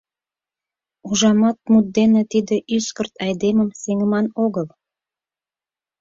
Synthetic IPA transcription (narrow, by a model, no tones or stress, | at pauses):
uʒɑmɑt̪̚mut̪̚d̪enet̪id̪eʔyskərt̪ɑjd̪eməmseŋəmɑnoɣəl